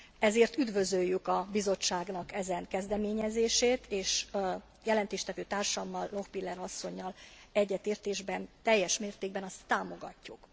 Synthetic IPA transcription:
ɛzeːrt̪yd̪vø̞zøjːykɒbizo̞t͡ʃːaːɡnɒkɛzɛŋkɛzd̪ɛmeːɲɛzeːʃeːt̪ʰeːʃ | jɛlɛnt̪eːʃt̪ɛvøːt̪aːrʃɒmːɒlːo̞xpilːɛɾɒsːo̞ɲːɒl | ɛɟːɛt̪eːrt̪eːʒbɛnt̪ɛjːɛʃmeːrt̪eːɡ̚bɛnɒst̪ːaːmo̞ɡɒ̰cːuk

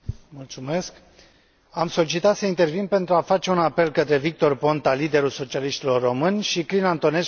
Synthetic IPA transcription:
mult̪sume̞sk | amso̞lit͡ʃit̪at̪səint̪e̞rvinpe̞nt̪ɾuafat͡ʃe̞unape̞lkət̪ɾe̞vik̚t̪o̞rpo̞nt̪alid̪e̞ɾulso̞t͡ʃialiʃt̪ilo̞rːo̞mɨnʲʃiklinant̪o̞ne̞s

